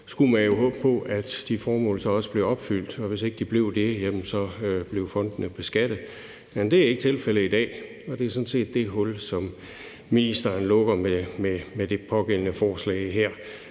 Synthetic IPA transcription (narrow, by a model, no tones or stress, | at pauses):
sɡ̥umænjo̝ɦɔ̽ːb̥̚pʰɒ̽æd̥d̥ifɒːmɔ̰̽ːlsɒ̽ɒ̽səb̥le̝ʊɒ̽b̥fyl̰d̥ɒ̽ʋe̝se̝ɡ̥əd̥ib̥le̝ʊ̰d̥e̝jem̰m̩sɒ̽øb̥le̝ʊfɒ̽n̰d̥n̩əb̥e̝sɡ̥æd̥ð̩ˠ | jæmnd̥e̝æɐeɡ̥ət͡sʰe̝lfeləid̥ɛ̰ː | ɒ̽d̥e̝æɐsɒ̽nse̝̰ːd̥ːe̝ɦɔ̽lsɒ̽m | minisd̥ɐnlɔ̽ɡ̥ɐmememed̥e̝pʰɒ̽ɡ̥en̰ənəfɒːslɛ̰ɪɦeɐ̰